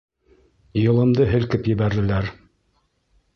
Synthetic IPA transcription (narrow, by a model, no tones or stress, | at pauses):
jɤ̆lˠɤ̆md̪ɤɦɘ̆lkɘpjɘ̆βæɾðɘ̆læɾ